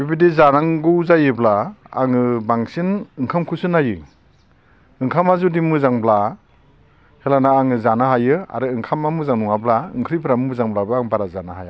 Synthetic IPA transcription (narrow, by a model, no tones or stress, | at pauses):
bibidezanaŋɡɯzajɯbla̰ːŋɯbaŋsinɯŋkʰamkʰusɯnajɯ | ɯŋkʰamazudimɯzaŋbla | helanaːŋɯzanaɦajɯa̰ɾɯɯŋkʰamamɯzaŋnuŋablaɯ̰ŋkʰɾipʰɾammɯzaŋblabɯaŋbaɾazanaɦaja